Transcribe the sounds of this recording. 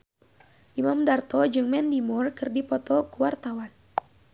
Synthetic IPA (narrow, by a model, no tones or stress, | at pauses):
ʔimamdart̪ɔd͡ʒɨŋmɛndimɔrkɨrdipɔt̪ɔkuwart̪awan